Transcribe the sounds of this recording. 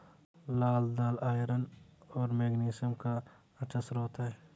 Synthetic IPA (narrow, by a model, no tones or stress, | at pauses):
laːld̪aːlaːjɾənɔːɾmeːɡniːsəmka | ɐt͡ʃəsɾoːt̪aɦɛː